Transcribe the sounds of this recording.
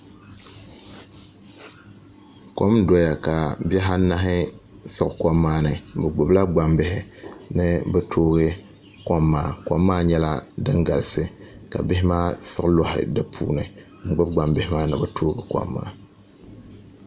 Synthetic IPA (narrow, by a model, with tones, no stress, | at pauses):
ko˦mdɔ˦ja˨ka˨bɛ˦ɦa˦na˦ɦɪ˦ | sɨ˦˨ka˦mːaː˦nɨ˨bɛ˨ɡ͡bʊ˨bla˦ɡ͡ba˨mbɪ˦hɪ˦nɨ˦bɛ˦tʰoː˦ɣɨ˦ | kɔ˦mːaː˦˨kʷa˦mːaː˦ɲɛ˦la˦dɨ˦ŋɡa˨lɨ˨sɨ˦ka̰˨bɪ˦hɪ˦maː˦sɨ˦klɔ˦hɪ̰˨dɨ˦pʰṵː˦nɨ˨ | ŋ͡m̩˨ɡ͡bɨ˦b̚ɡ͡ba˨mbɪ˦hɪ˦maː˦nɨ˨bɛ˦toː˦ɡɨ˨kʷɔ̰˦mːa̰ː˦